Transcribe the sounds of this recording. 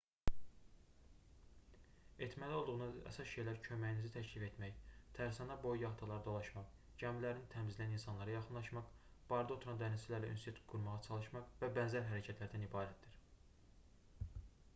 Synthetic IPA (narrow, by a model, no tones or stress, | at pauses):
e̞t̪ʰmælio̞lˠd̪uʁunɑæ̰sɑsʃe̞jlæɾcʰømæjnizit̪ʰæcʰlife̞t̪mæjt̪ʰæɾsɑnɑbo̞jjɑɦt̪ʰɑlˠɑɾɯd̪o̞lˠɑʃmɑq | ɟæmlæɾinit̪ʰæmziliæninsɑnlˠɑɾɑjɑχɯnlˠɑʃmɑqb̥ɑɾd̪o̞t̪ʰuɾɑnd̪ænizilæɾlæʔy̰nset̪ʰu̥t̪̚ɡ̥uɾmɑʁɑt͡ʃʰɑlˠɯʃmɑqvæbænzæɾɦæɾæcʰæt̪ʰlæɾd̪ænibɑːɾæt̪̚d̪iɾ